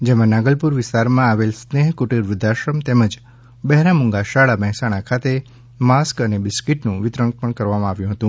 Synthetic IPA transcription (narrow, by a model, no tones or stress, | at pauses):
d͡ʒemãnaɡəlpuɾʋɪst̪aɾmãaʋelsneɦkuʈiɾʋɪd̪ʱaʃɾəmt̪eməd͡ʒ | bɛɦɾamũŋɡaʃaɭaməɦɛsaɽ̃akʰat̪e | maskənebɪskiʈnũʋɪt̪ɾəɳ̚pəɳkəɾʋamãaʋjũɦət̪ũ